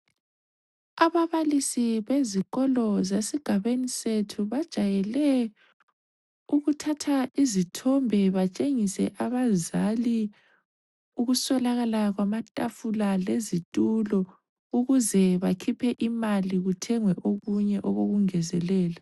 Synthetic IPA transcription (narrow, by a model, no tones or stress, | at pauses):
aβaβalisiβeziɣɔlɔzesiɡ̥ʱaβenisetʰuβad̥ʒ̥ʱajɛlɛ | uɣutʰatʰaizitʰɔmbʱɛβat͡ʃʼeŋisɛʔaβazali | uɣusɔlaɣalaɣwamatʼafulalezitʼulɔ | uɣuzɛβakʰipʰɛʔimaliɣutʰɛŋwɛʔoɣuɲɛʔɔɣoɣuŋɛzɛlɛːla